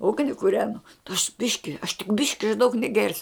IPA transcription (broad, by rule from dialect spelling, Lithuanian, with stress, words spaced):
ˈʊɡnʲɪ kʊˈrʲæːnʊ ɐʃ ˈbʲɪʃʲkʲɪ ɐʃ tʲɪk ˈbʲɪʃʲkʲɪ ɐʃ dɐʊk nʲɛˈɡʲɛrʲsʲʊ